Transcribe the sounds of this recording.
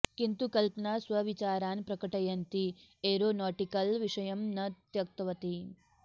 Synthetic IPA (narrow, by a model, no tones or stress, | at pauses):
kint̪ukɐlpɐnaːsʋɐʋit͡ʃaːɾaːnpɾɐkɐʈɐjɐnt̪ieːɾoːnɔːʈikɐlʋiʂɐjɐmnɐt̪jɐk̚t̪ɐʋɐt̪i